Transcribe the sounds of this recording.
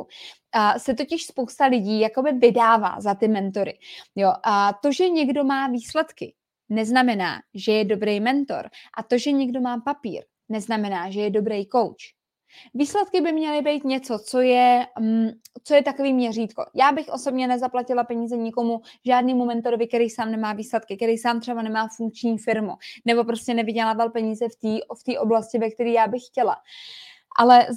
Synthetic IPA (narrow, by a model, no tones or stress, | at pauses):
sɛt̪̬o̞cɪʃspowst̪alɪɟiːjako̞bɪvɪdaːva̰ːzat̪ɪmɛnt̪o̞ɾɪ̰jo̞t̪o̞ʒɛɲɛɡdo̞maːviːslɛt̪kɪ | nɛznamɛna̰ːʒɛjɛdo̞bɾejmɛnt̪o̞̰ɾʔat̪o̞ʒɛɲɛɡdo̞maːpapḭːɾ | nɛznamɛnaːʒɛjɛdo̞bɾɛjko̞wt͡ʃ | viːslɛt̪̚kɪbɪmɲɛlɪbejt̪ɲɛt͡so̞t͡so̞jɛ | t͡so̞jɛt̪akoviːmɲɛriːt̪ko̞̰jaːbɪxʔo̞so̞bɲɛnɛzaplacɪlapɛɲiːzɛɲɪko̞muʒaːdniːmumɛnt̪oɾovɪkt̪ɛɾijsaːmnɛmaːviːslɛt̪kɪk̪ɛɾijsaːmt̪r̥ɛbanɛmaːfuŋk̚t͡ʃɲiːfɪɾmṵnɛbo̞pɾo̞scɛnɛvɪɟɛlaːvalpɛɲiːzɛft̪iːft̪iːʔo̞blascɪvɛk̚t̪ɛɾiːjaːbɪxːcɛla̰ | ʔa̰lɛ